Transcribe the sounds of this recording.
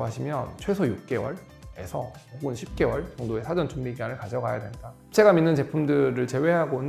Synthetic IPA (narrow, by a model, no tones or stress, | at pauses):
ɦaɕʰimjʌnt͡ɕʰwe̞sʰʌjuk̚k͈e̞wʌ̰ɭ | ḛsʰʌoɡɯnɕʰip̚k͈e̞wʌɭt͡ɕʌŋdoe̞sʰad͡ʑʌnt͡ɕʰumbiɡianɯɭkad͡ʑʰʌɡajadwe̞nida | t͡ɕʰe̞ɡaminːɯnt͡ɕe̞pʰumdɯɾɯɭt͡ɕe̞we̞ɦaɡonɯ